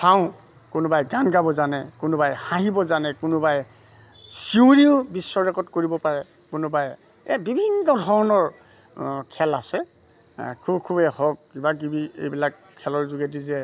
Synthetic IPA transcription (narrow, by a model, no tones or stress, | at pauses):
saʊ̃ | kʊnʊbajɡanɡabɔzanɛkʊnʊbajhãɦibɔzanɛkʊnʊbaj | siũɹiʊbisːɔɹɛkɔtkoɹibɔpaɹɛ | kʊnʊbaj | ɛbibʱinːɔdʱɔɹnɔɹ | kʰɛlasɛ | kʰubkʰubɛhɔk̚ibakibiḛjbilak | kʰːɛlɔɹzuɡet̬izɛ